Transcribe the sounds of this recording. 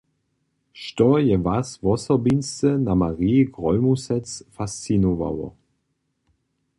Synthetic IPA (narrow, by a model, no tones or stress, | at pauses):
ʃtɔjɛvasvɔsɔbinstənamaʁiɡʁɔlmusɛt͡sfast͡sinova̰wɔ̰